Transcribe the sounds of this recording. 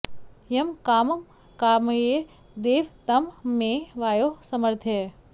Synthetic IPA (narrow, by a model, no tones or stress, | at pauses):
jɐmkaːmɐm | kaːmɐje | d̪eːʋt̪ɐmːeʋaːjosɐməɾt̪ʰjɐ